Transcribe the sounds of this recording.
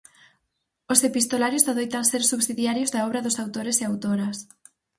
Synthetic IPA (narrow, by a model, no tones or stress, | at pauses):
osepist̪olaɾjozðaðojt̪aŋseɾsuβsiðjaɾjozðaɔβɾɐðʊsawt̪oɾeseawt̪oɾɐs